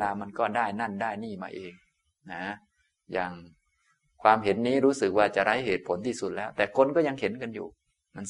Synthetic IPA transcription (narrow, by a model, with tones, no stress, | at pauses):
laː˧ma˧nkɔː˥˩daː˥˩jna˥˩ndaː˥˩jniː˥˩ma̰ː˧ʔeː˧ŋ | na˦˥ | jaː˨˩ŋ | kʰwaː˧mɦe˨˩˦nːiː˦˥ɾuː˦˥sɯ˨˩k̚waː˧˩t͡ɕa˨˩ʔɾa˦˥jɦeː˨˩t̪̚pʰo˨˩˦nt̪ʰiː˥˩su˨˩t̪̚lɛː˦˥wt̪ɛː˨˩kʰo˧nkɔː˥˩ja˧ŋhe˨˩˦nka˧njṵː˨˩ | ma˧n